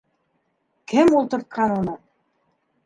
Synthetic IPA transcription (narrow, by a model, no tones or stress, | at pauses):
kɘmulˠt̪ɤ̆ɾt̪̚qɑnunɤ